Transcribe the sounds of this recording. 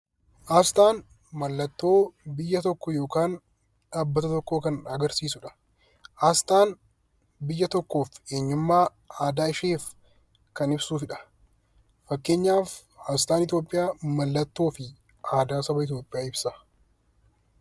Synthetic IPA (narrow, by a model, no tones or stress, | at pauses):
ʔɐːst̪aːn | mɐlːɐt̪ːo̞ːbɪjːɐt̪ɔkːɔjo̞ːkaːn | ᶑaːbːɐt̪ɐt̪ɔkːoːkɐnɐɡɐɾsiːsʊᶑɐ̥ | ɐst̪aːn | bɪjːɐt̪ɔkːo̞ːfe̞ːɲːʊmːaː | aːd̪aːɪʃeːf | kɐnɪbsuːfɪᶑɐ̥ | fɐkːe̞ːɲːaːfhɐst̪aːnɪt̪̬jo̞ːpʼːɪjaːmɐlːɐt̪ːo̞ːfɪ | ʔaːd̪aːsɐbɐɪt̪̬jo̞ːpʼːɪjaːɪbsɐ